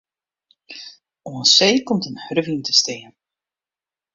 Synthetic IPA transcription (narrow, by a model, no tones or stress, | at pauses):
oənsejkɔmtənhrvintəsteːən